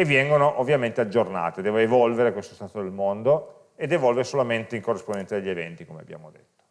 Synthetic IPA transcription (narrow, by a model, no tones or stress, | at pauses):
evːjɛŋɡonoʔovːjament̪ead͡ʒːorna̰ːt̪ed̪ɛːvoevɔlveɾekwest̪ost̪aːt̪od̪elmond̪o | ed̪evɔlveɾesolament̪eiŋkorːispond̪ɛnsad̪eʎːievɛ̰nt̪ikomeabja̰ːmod̪et̪ːo̥